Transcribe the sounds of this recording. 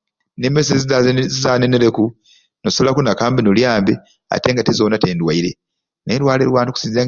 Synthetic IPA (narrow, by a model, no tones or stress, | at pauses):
nemes̬ezizaːneneɾeku | nosolakunakaːmbenoljaːmbe | a̰te̞ːŋɡatezoːnateːndwaiɾe | nedwaːlewaːntuku̥sizeː